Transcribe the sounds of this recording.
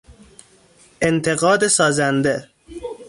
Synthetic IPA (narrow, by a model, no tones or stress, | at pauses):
ʔent̪ʰe̞ɣɒːd̪esɒːzænd̪e